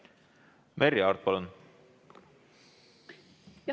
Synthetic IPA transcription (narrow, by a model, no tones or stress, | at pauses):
meriɑːrt̪̚pɑlun